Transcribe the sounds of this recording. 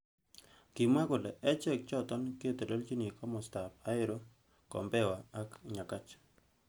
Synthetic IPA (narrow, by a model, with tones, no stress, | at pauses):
ki˨ma˦kʊ˨lɛ˨ʔɛ˦t͡ʃɛ˦˨k̚t͡ʃɔ˦t̪ɔ˦nko˦˨t̪e˨lo˦lt͡ʃi˦ni˨kɔ˦mɔ˨sta˨pa˦ɪ˦ɾo˦ | kɔ̰˨mbɛ˦wa˨a˦kɲa˨ka˦t͡ʃ